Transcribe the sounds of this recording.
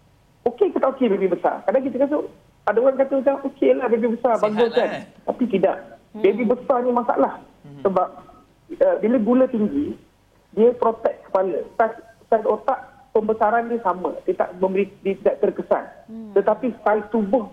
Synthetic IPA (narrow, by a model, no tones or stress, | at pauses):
okekət̪aʔokebebibəsa̰rkadaŋkit̪əkas̬ə | adəoɾankat̪əmat͡ʃaŋokelahbebibəsarbaŋɡʊnkant̪apit̪ida̰ʔbebibəsanimasa̰ʔlah | səbap̚ | əbiləɡulət̪iŋɡi | diəpɾot̪ɛt̪̚kə̥palət̪a | sanot̪aʔ | pəmbəsaɾannisamə̰̃diət̪a̰ʔmə̃mbəɾidiət̪idaʔt̪ərkəsa̰nt̪ət̪apit̪alt̪ubʊh